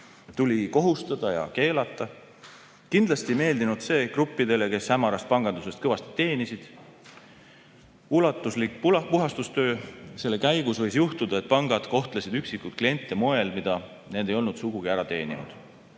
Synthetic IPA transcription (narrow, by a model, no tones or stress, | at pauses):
t̪ulʲiko̞ɦust̪ɑd̪̥ɑjɑ̰ke̞ːlɑt̪ˑːɑ | kind̪lɑst̪ime̞ːld̪inud̪̥se̞ːkrupːˑid̪e̞le̞ke̞shæmːɑɾɑst̪̚pɑŋɡ̥ɑnd̪use̞st̪̚kɤvɑst̪i̥t̪e̞ːnisid̪̥ | ulɑt̪ːˑuslikːppuɦɑst̪ust̪ø̞ːse̞lːe̞kæjɡ̥usvɤ̞jsjuht̪ud̪̥ɑe̞t̪̚ːˑpɑŋɡ̥ɑd̪̥ko̞ht̪lesid̪yksikːˑut̪̚klije̞nʲt̪ːˑemo̞e̞lmid̪̥ɑ | ne̞ːd̪̥e̞jo̞lnud̪̥suɡ̥uɡ̥iæɾɑt̪e̞̰ːnḭnṵd̪̥